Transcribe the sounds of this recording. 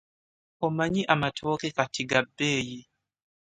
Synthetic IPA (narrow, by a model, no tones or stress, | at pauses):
ɔmaɲiʔamatʰɔkɛkatiɡabeːji